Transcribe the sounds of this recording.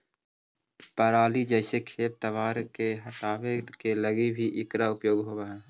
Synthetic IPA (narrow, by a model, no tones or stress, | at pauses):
pəɾaːlid͡ʒɛːsekʰeːp̚t̪əʋaːɾkeɦəʈaːʋekeləɡibʱiʔɪkɾaʊpjoːɡɦoːbaːɦɛː